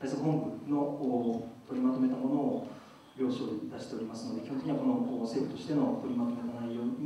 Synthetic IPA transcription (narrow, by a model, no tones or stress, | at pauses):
aisɦõ̞mbɯ̟no̞oːt̪o̞ɾʲimat̪ome̞t̪amo̞no̞ː | ɾʲo̞ːɕo̞ːid̪aɕi̥t̪e̞o̞ɾʲimasɨno̞d̪ekʲihõekiiako̞no̞ːse̞ːɸɯ̟t̪o̞ɕi̥t̪e̞no̞t̪o̞ɾʲimat̪o̞me̞t̪anaijo̞ːɲi